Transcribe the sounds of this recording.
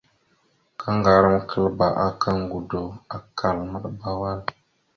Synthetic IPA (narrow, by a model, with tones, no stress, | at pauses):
kʰa˦ŋɡa˨ɾə˦m˦kʰə˦lba˨ʔa˦ka˦ŋ˦ɡu˨do˨a˨ka˨lmə˦ɗba˦wa˦l